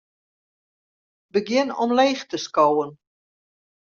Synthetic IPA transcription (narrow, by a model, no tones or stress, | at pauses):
bəɡjɪnɔmleːxtəskowən